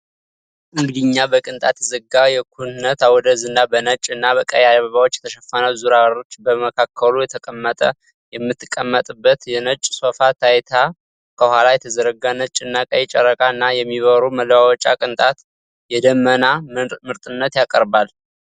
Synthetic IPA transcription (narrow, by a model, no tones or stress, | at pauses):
ʔɨŋɡɨd̪ɨɲːabəkʼɨnt̪ʼat̪zɨɡajɛkʰunɨnət̪awɔd̪əzɨnːabənət͡ʃʼːɨnːaβəkʼəjadβəβawot͡ʃːjɛt̪ʰəʃəfːanəwzuɾawəɾo̞t͡ʃːbəməkʰakʰːəlujɛt̪ʰəkʼəmːət̪ʼə | jɛmːɨt̪ːɨ̥kʼːəmːət̪ʼɨbːət̪jɛnət͡ʃʼːsofat̪ʰajt̪ʰa | kʰəhʷalajɛt̪ʰəzəɾəɡanət͡ʃʼːɪnːakʼəjɛt͡ʃʼɛɾːəkʼaɨnːajɛmːiβəɾuməlwawɔt͡ʃʼːakʼɨnt̪ʼat̪ | jɛd̪əmːənamɨɾt̪ʼɨnːət̪jakʼəɾbal